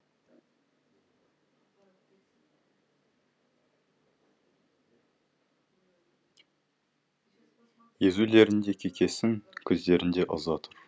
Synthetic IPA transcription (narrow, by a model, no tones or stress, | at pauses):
je̞zule̞ɾɪnd̪e̞kʲʰekʲe̞sɪŋkʲʰɵzd̪e̞ɾɪnd̪e̞ʔə̰zɑt̪ʰʊɾ